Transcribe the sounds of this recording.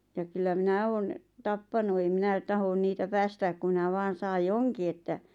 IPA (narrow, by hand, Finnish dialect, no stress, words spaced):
jɑ kylːæ minæ oːn tɑpːɑnu eim minæ tɑhon niːtæ pæːstæːk ku minæ ʋɑːn̞ sɑːj joŋki etːæ